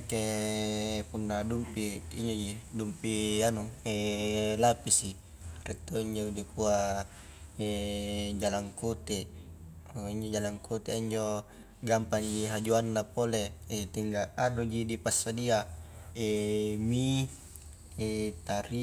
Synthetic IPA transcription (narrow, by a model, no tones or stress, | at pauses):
ke | punːadumpiiɲd͡ʒod͡ʒidumpianuelapisi | rɛt̪ːoiɲd͡ʒodipua | ed͡ʒalaŋkot̪e | iɲd͡ʒod͡ʒalaŋkʰot̪eiɲd͡ʒo | ɡampaŋd͡ʒiɦad͡ʒuanːapoleet̪iŋɡaanod͡ʒidipasːadiaemi | et̪aɾi